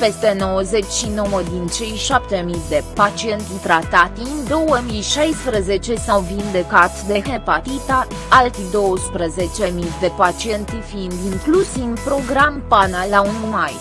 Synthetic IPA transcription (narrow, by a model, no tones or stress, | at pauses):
pe̞st̪e̞no̞wəze̞t͡ʃʲʃino̞wəd̪int͡ʃe̞jʃap̚t̪e̞mid̪e̞pat͡ʃie̞nt̪it̪ɾat̪at̪ind̪o̞wəmiʃajspɾəze̞t͡ʃe̞sawvind̪e̞kat̪d̪e̞ɦ̪epat̪it̪a | alt̪id̪o̞wəspɾəze̞t͡ʃe̞mid̪e̞pat͡ʃie̞nt̪ifind̪iŋklusivpɾo̞ɡɾampanalaunumaj